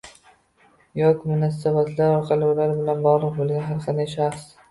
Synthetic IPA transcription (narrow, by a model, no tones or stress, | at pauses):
jɒkʲmʊnɒs̬abat̪ʰlaɾɒɾqʰɑlɪulaɾɪbɪlanbɒʁlˠɨqbolˠɡʲanɦaɾqʰɑnd̪ajʃaχs